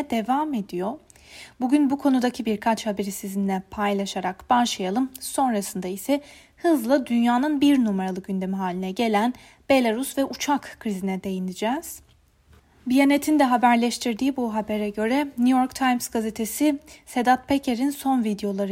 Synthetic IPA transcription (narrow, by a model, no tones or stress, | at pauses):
ɛd̪e̞vaːme̞d̪ijo̞ | buɟynbukʰo̞nud̪acʰibiɾkʰat͡ʃhabe̞ɾisizind̪ɛpʰajlˠaʃaɾakb̥aʃˠajalˠɯmso̞nɾasɯnd̪aisɛ | hɯzlˠad̪ynjaːnɯnbiɾnumeɾalˠɯɟynd̪e̞miɦaːlʲinɛɟe̞lʲæn | be̞lʲˠaɾusvɛʔut͡ʃʰakːɾizinɛd̪e̞jinid͡ʒɛːz̥ | bijanet̪ʰind̪ɛɦabæɾlʲɛʃt̪ʰiɾd̪iːbuɦabe̞ɾɛɟø̞ɾɛnyjo̞ɾkt̪ʰajmzɡazet̪ʰe̞sise̞d̪at̪̚pʰecʰeɾinso̞nvid̪ejo̞lˠaɾɯ